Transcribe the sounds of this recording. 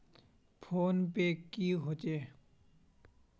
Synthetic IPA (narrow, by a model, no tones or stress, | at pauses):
pʰonpekːiɦot͡ɕe